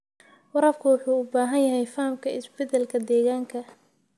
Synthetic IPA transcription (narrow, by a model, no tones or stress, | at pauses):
wɑɾɐbkʰʊwʊħuːʊbaːɦɐnjɐɦɛjfɐːmkʰɐɪsbɛt̪ʰɛlkʰɐd̪ɛːɣaːŋkʰɐ